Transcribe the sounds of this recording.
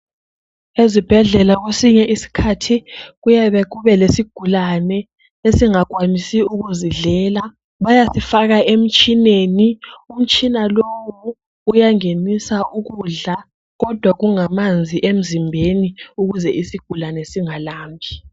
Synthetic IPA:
ezib̥ʱɛɮɛlaɣwesiɲɛʔisi̥kʰatʰiɣujaβɛɣuβɛlesiɡ̥ʱulanɛ | esiŋaɣwamisiuɣuziɮɛːla | βajasifaɣaʔem̩t͡ʃʼinenium̩t͡ʃʼinalowuː | jaŋenisaʔuɣuɮa | ɣɔd̥ʱwaɣuŋamand͡zʱiʔem̩zimbʱeniuɣuzɛʔisiɡ̥ʱulanɛsiŋalaːmbʱi

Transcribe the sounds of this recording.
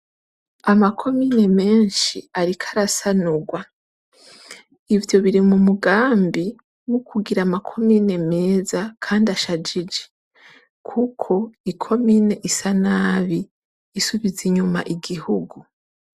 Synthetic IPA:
amakʰo̞miːne̞me̞ːnʃiaɾikʰaɾasanuɡwa | ivjo̞βiɾimumuɡaːmbi | nukuɡiɾamakʰo̞miːne̞me̞ːzakʰaːndiaʃad͡ʒid͡ʒe̥ | kʰukʰo̞ikʰo̞miːne̞ʔisanaβiː | suβiziɲuma̰ʔiɡihuɡu

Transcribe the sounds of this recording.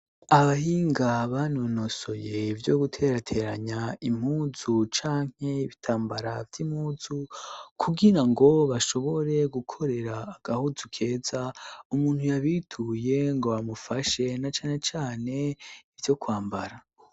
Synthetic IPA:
aβahiːŋɡaβanonoso̞je̞vjo̞ɡutʰe̞ɾatʰe̞ɾaɲaim̥huːzut͡ʃaːŋ̥he̞βitʰaːmbaɾavtim̥huːzukʰuɡiɾaŋɡo̞βaʃo̞βo̞ɾe̞ɡukʰo̞ɾe̞ɾaːɡ̥ahuzukʰe̞ːzaumuːnhujaβitʰuje̞ŋɡo̞βamufaʃe̞nat͡ʃaːne̞t͡ʃaːne̞ivjo̞kwaːmbaɾa

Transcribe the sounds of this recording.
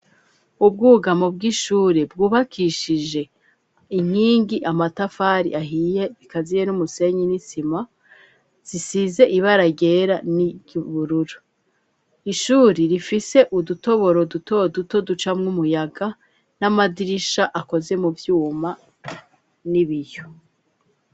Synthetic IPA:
ub̚ɡuːɡamob̚ɡiʃuːɾebɡuːβakʰiʃiʒe̞ | iɲ̥hiːŋɡiʔamatafaɾḭʔaɦije̞ikazije̞numuse̞ɲinisima | z̥isize̞ʔiβaɾaɟe̞ɾaniɟβuɾuɾu | iʃuːɾiɾifise̞ʔuduto̞βo̞ɾo̞duto̞duto̞dut͡ʃamŋumujaɡa | namadiɾiʃaʔako̞ze̞muvjuːma | niβijo

